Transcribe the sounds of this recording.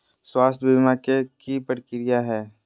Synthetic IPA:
swaːst̪ʰbimakekipəʈkɪɾɪjaɦɛː

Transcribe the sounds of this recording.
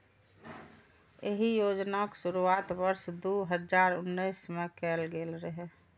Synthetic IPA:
eɦijoːd͡ʒnaksʊɾuaːt̪ʋəɾsd̪uɦəd͡ʒaːɾʊnːəjsmẽkɛːlɡelɾəɦɛ

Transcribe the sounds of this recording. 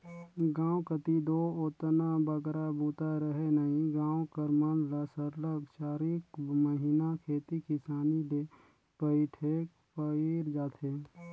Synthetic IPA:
ɡãːwkət̪id̪oot̪nabəɡɾabuːt̪aɾəɦenəɦĩɡãːwkəɾmənləsəɾləɡʃaːɾikməɦinakʰeːt̪ikɪsaːnid̪e | pəiʈʰek | pəiɾd͡ʒaːt̪ʰeː

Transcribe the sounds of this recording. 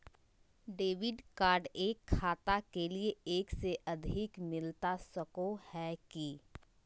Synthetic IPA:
ɖeːʋɪɖkaːɾɖeːkʰːaːt̪akelieeːkseʔɐd̪ʱɪkmɪlt̪asɐkohɛki

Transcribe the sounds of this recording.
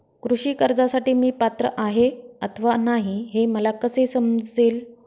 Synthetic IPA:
kɾuɕiːkəɾd͡zasaʈiːmiːpat̪ɾə̰ʔaɦeət̪ʰəʋanaɦiɦeməlakəsesəmd͡zeːl

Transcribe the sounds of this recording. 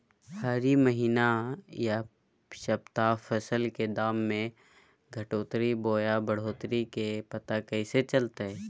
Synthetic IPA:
haːɾiməɦiːnaja | ʃɐbt̪afʰəsəlked̪aːmːẽ | ɡʱɐʈoːt̪ɾiboːjabəɽ̤oːt̪ɾikepɐt̪akɛɪset͡ʃəlt̪eɦɛ

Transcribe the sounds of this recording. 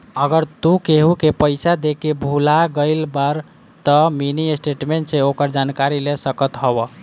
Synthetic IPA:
əɡəɾt̪ukeɦukepəɪsad̪ekebʱulaɡəɪlbəɾ | t̪əminiesʈeʈmeɳʈseokəɾd͡ʒankaɾilesəkət̪ɦɔbə

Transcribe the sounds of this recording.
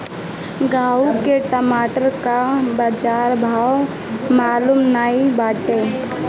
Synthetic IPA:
ɡaːukeʈəmaːʈəɾkabəd͡ʒaːɾbʱaːw | maːlumnaːibaːʈe

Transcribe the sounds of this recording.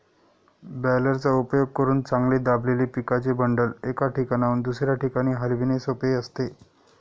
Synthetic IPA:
bɛləɾt͡saupjoɡ̚kəɾuːnt͡sãŋɡled̪ableliːpikat͡sebəɳɖəlekaʈikanaund̪usɾjaʈikaɽ̃iːɦalʋinesopeəst̪e

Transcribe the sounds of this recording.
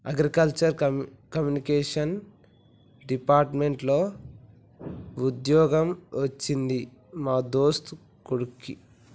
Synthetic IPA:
ɐɡɾikɐlt͡ʃɐɾ | kɐmjunikɛːʂɐn | ɖipaːɾʈme̞ɳʈloː | ud̪jɔːɡɐmʋɐt͡ʃːind̪i | maːd̪oːst̪u | kuɽukːḭ

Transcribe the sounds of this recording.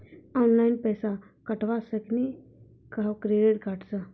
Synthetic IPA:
ɔːnlaːinpɛːsa | kəʈʋasəkni | kakɾeːɖeːʈkaʈsə

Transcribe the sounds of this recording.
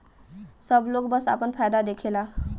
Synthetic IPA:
sʌblok̚bʌsa̰pənpʰajd̪ad̪ekʰela

